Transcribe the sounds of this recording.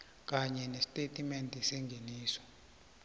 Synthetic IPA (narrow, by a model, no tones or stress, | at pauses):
k̬ʼaɲɛnɛsi̥tʼetʼimɛntʼisɛŋɡʱeniːsɔ̥